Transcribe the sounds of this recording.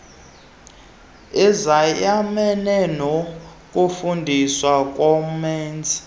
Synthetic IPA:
izajamɛnɛnok̬ʼufundʱiswak̬ʼwom̩mɛːnd͡zʱʼi̥

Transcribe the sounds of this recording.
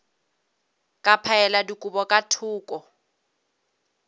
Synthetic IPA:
kʼapʰaɛladikʼubɔkʼatʰʊːkʼɔ

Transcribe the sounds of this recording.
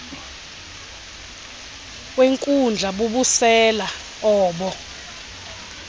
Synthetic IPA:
weŋkʼund͡ɮʱaɓuɓusɛla | ɔːɓɔ

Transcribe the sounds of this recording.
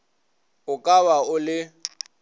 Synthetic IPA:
ʊkʼaβaʊlɪ

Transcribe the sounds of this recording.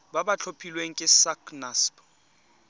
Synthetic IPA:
babat͡ɬʰopʰilweŋ̩kʼɪsakʰnasbɔ̥

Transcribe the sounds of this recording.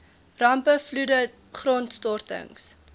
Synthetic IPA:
rɐmpəfludə | χrɔntstɔrtə̰ŋs

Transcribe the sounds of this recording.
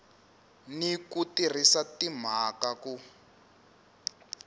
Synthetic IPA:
nikutir̤isatim̤akaku

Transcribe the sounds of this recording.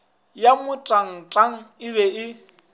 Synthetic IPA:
jamʊtʼaŋ̩tʼaŋ̩ɪbɛɪ

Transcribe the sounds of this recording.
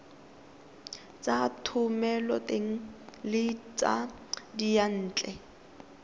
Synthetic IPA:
t͡sʼatʰʊmɛlɔtʼeŋ̩lɪt͡sʼa̰dijan̩ːt͡ɬʼɛ

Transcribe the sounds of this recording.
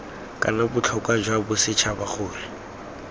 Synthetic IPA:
kʼa̰nabʊt͡ɬʰɔkʼwad͡ʒwabʊsɪt͡ʃʰabak͡xʰʊːlɪ

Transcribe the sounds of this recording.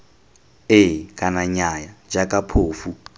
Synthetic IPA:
ɪkʼanaɲajad͡ʒakʼapʰoːfu

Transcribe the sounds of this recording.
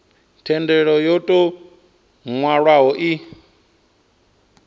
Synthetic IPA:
tʰɛndɛɺɔjɔtʼɔ | ŋwaɺwaɦɔʔi

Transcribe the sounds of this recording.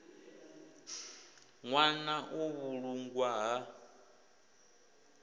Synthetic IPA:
ŋwanaʔoβuɺuŋɡwaɦa

